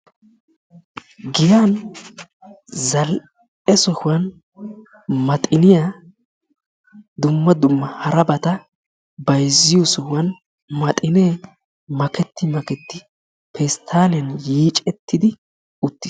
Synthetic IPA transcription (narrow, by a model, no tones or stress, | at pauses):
ɡɪjan | zɐl | ɛsɔhʊwɐn | mɐt̪ʼɪnɪja | d̪ʊmːɐd̪ʊmːɐhɐɾɐbɐt̪ɐ | bɐjzːɪjɔsɔhʊwɐn | mɐt̪ʼɪneː | mɐkɛt̪ːɪmɐkɛt̪ːɪ | pʰɛst̪ʰaːlɛnjiːt͡ʃʼɛt̪ːɪd̪ɪ | ʊt̪ːɪs